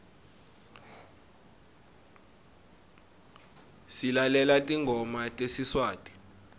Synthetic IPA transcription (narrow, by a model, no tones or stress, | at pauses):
silalɛlatʼiŋʱɔmatʼesiswaːtʼi̥